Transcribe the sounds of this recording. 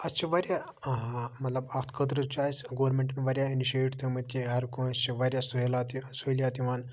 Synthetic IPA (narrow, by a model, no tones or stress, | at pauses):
ɐst͡ʃʰiʋɐɾʲja | mɐt̪lɐbɐkt̪ʰkʰəd̪ɾət͡ʃaːjsɡoʋɾmeɳʈɐnʋɐɾʲjainiʃeʈt̪ʰumɐt̪̚ʲkʲiɦɐɾkũst͡ʃʰiʋɐɾʲjasuɦelat̪isuilʲjaːt̪iʋaːn